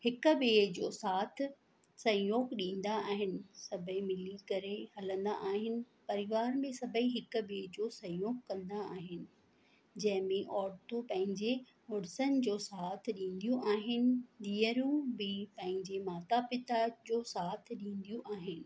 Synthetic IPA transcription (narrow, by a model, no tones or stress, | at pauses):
hɪkʊ̆ɓeːd͡ʑoːsaːt̪ʰɪ | sɐ̃joːkɗĩːn̆d̪aaːɦɪnɪ̆sɐbʱəimɪlikɐɾehɐlə̃nd̪a̰ʔaːɦɪnɪ̆ | pɐɾɪʋaːɾmẽsɐbʱəiɦɪkʊ̆ɓeːd͡ʑoːsɐ̃joːkkɐ̃nd̪aːɦɪnɪ̆ | d͡ʑɐ̃ɦɪ̃mẽʔɔːɾt̪upɐ̃ɦɪ̃ɲd͡ʑe | ʊɽsənɪ̆d͡ʑoːsaːt̪ʰɪɗĩːn̆d̪ijũʔaːɦɪnɪ̆ɗiːəɾũbɪpɐ̃ɦɪ̃ɲd͡ʑemaːt̪apɪt̪ad͡ʑoːsaːt̪ʰɗĩːn̆d̪ijũʔaːɦɪnɪ̆